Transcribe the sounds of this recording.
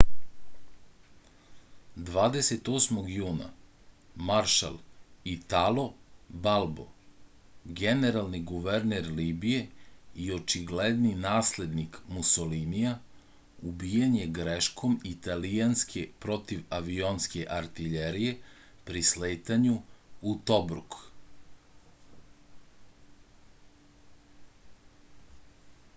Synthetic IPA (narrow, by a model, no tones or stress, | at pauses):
d̪ʋaːd̪ese̞t̪o̞ːsmo̞ɡjuːna̰ | maɾʃa̰lˠit̪alˠo̞balˠbo̞̰ | ɡeneɾalˠniɡuʋeɾneɾliːbije̞io̞t͡ʃiɡled̪ninaːsle̞d̪nikmusolimija | ubiːjanje̞ɡɾeʃkʰo̞mit̪alijanskʰepɾo̞t̪iʋaʋionske̞ʔaɾt̪iʎeɾije̞pɾisleːt̪aɲuut̪o̞bɾṵk